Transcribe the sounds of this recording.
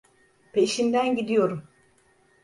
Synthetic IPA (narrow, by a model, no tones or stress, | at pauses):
pʰe̞ʃind̪ænɟid̪ijo̞ɾum